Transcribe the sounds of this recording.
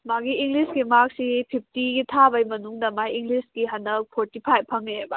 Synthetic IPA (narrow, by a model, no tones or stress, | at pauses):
maɡiːŋɡlisɡimak̚sipʰip̚ʰtiɡitʰabɐjmɐnuŋdɐmajiŋɡlisɡiɦɐndɐk̚pʰoɾtipʰajppʰːɐŋebɐ